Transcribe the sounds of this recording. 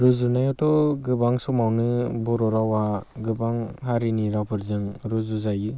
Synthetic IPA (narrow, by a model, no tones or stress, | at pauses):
ɾɯzunajɔtɔɡɯbaŋsɔmawnɯbɔɾɔɾawaɡɯbaŋɦaɾiniɾawpʰɯɾzɯŋɾuzuzajɯ